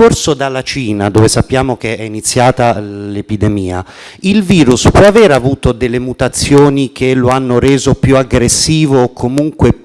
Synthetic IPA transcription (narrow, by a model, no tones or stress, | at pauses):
orsod̪alːat͡ʃiːnad̪oːvesapːjaːmok̟eɛinit̪sːjaːt̪alepid̪emiːa̰ | ilviːɾuspɔaveːɾavuːt̪od̪elːemut̪at̪sːjoːnik̟ʰeloanːoɾeːzopjuaɡɾesːiːvoːkʰːomuŋkwe